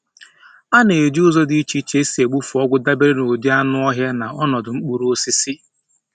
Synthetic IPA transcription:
a˦ne˨e˨d͡ʒʊ˦zɔ˦dɪ˦i˦t͡ʃi˦t͡ʃe˦si˨˦e˨ɡ͡bu˦fu˨ɔ˦ɡʷʊ˦da˦be˦ɾe˦no˨di˦a˦nʊ˦ɔ˦ɦa˦na˨ɔ˦nɔ˨dʊ˨ŋ͡m̩˦k͡pu˨ɾo˦si˦si˦

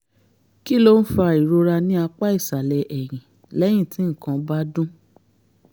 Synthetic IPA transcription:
ki˦lo˦n̩˦fa˧i˨ɾo˧ɾa˧nĩ˦a˧k͡pa˦i˦˨sa˨lɛ˨ʔɛ˨j̃ĩ˨ | lɛ˦j̃ĩ˦˨tĩ˨˦ŋ̩˦˨kã˧ba˦dũ˦

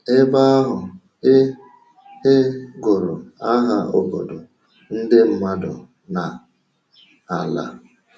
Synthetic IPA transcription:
e˦ba˦a˦ɦʊ˨˦ | e˦ɡʊ˨ɾʊ˨a˦ɦa˨o˨bo˨do˨ | n̩˦dɪ˦m̩˦ma˦dʊ˨ | na˨ | a˨la̰˦

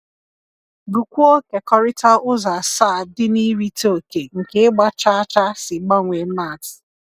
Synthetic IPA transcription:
bu˨kʷu˦o˦ke˨kɔ˦ɾɪ˦ta˦ʔʊ˦za˨sa˦˨dɪ˦ni˦ɾi˦to˦˨ke˨ŋ̩˨ke˨ɪ˦ɡ͡ba˦t͡ʃa˦a˦t͡ʃa˦sɪ˨ɡ͡ba˦ŋʷe˨˦ma˦˨t

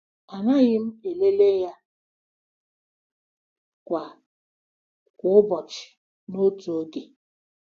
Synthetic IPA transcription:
a˨na˦ɣɪ˦m̩˦e˨le˦le˦ja˦ | kʷa˨ | kʷʊ˦ʊ˦bɔ˨t͡ʃɪ̥˨ | no˦tu˨o˦ɡe˨

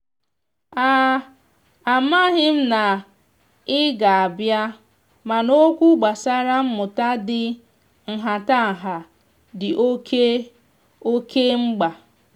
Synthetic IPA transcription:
aː˦ | a˨ma˦ɦɪ˦m̩˦na˨ | ɪ˦ɡa˨a˨bja˦ | ma˨no˦kʷu˦ɡ͡ba˨sa˦ɾa˦m̩˦mʊ˨ta˦dɪ˦ | ŋ̩˨ɦa˨ta˦˨ɦa˨ | dɪ˨ʔo˦ke˦ | o˦ke˦ŋ͡m̩˦ɡ͡ba˨

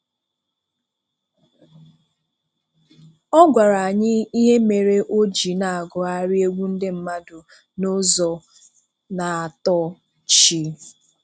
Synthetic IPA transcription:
ɔ˦ɡʷa˨ɾa˨a˨ɲɪ˦i˦ɦe˦me˨ɾe˦ʔo˦d͡ʒi˨na˨a˨ɡʊ˨a˦ɾi˦e˦ɡʷu˦n̩˦de˦m̩˦ma˦dʊ˨ | no˦zɔ˨ | na˨a˨tɔ˦ | t͡ʃi˨˦

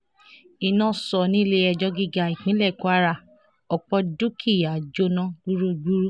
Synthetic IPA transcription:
i˧˨nã˦˨sɔ˨nĩ˦˧le˧ɛ˧˨d͡ʒɔ˧˦ɡi˧ɡa˧˨i˨k͡pĩ˨˦lɛ˦˨ku˦a˦ɾa˧˨ | ɔ˨k͡pɔ˧du˦kʰi˦˨ja˨d͡ʒo˦nã˦ɡu˦ɾo˦˨ɡu˦ɾu˦

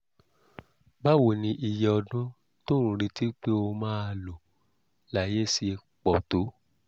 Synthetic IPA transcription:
ba˦wo˨nĩ˧ʔi˧jɛ˧ɔ˧dũ˦ | tõ˦ũ˨˦ɾi˧ti˦k͡pe˦o˧mãː˦a˧˨lo˨ | la˦˨je˦si˧ | k͡pɔ˨to˨˦

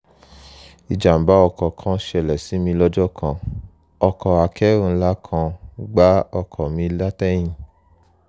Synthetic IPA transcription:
i˨d͡ʒa˨m̩˨ba˨˦ɔ˧kɔ˨kʰã˧ʃɛ˨lɛ˨si˨˦mĩ˧lɔ˦d͡ʒɔ˦˨kʰã˧ | ɔ˧kɔ˨a˨kʰɛ˨˦ũ˦˧n̩˦la˦kʰã˧ɡ͡ba˦ɔ˧kʰɔ˨mĩ˧˦la˦tɛ̃˦ĩ˨

